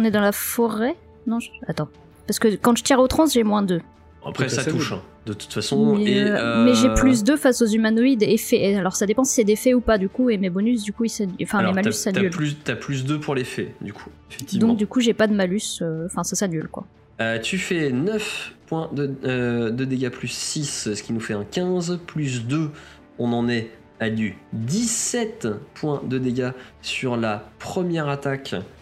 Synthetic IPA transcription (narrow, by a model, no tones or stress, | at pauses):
ɔ̃nɛd̪ɑ̃lafɔʁɛ | nɔ̃ʒat̪ɑ̃ | paʁsə̥kəkɑ̃ʒət̪iʁot̪χɑ̃sʒemwɛ̃d̪ø | a̰pχɛsauʃɛ̰̃d̪ət̪u̥t̪fasɔ̃iømɛʒeplys̬d̪øfasozymanoid̪efɛealɔʁsad̪epɑ̃si̥sɛd̪efɛupad̪ykuemebɔnys̬d̪ykuisañfɛ̃emalysːanaylplyst̪yaplys̬d̪øpʰuʁlefɛd̪ykʰuefɛk̚t̪ivd̪ɔ̃kd̪ykuʒepad̪əmalysøɑ̃fɛ̃sasanylkwa̰ | øt̪yfɛnœfpwɛ̃d̪əd̪əd̪eɡaplysːissə̥kʲinufɛɛ̃kʲɛ̃zplys̬d̪ø | ɔ̃nɑ̃nɛ | alyd̪issɛt̪pwɛ̃d̪əd̪eɡʲasyʁlapχəmjɛʁat̪akʲ